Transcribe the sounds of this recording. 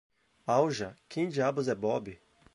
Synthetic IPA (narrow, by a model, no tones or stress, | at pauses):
awʒɐkʰẽj̃d͡ʒiabʊzɛbɔbɪ